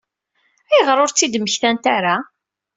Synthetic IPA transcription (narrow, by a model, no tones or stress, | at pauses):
æjəʁɾʊɾt͡sːid̪məçθænt̪aɾa